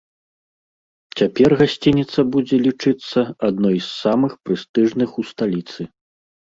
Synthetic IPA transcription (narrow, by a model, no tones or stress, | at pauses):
t͡sʲapʲɛrɣasʲt͡sʲinʲit̪sɐbud͡zʲɛlʲit͡ʂɨt̪sːɐad̪nɔjsːamɨxpɾɨst̪ɨʐnɨxust̪alʲit̪sɨ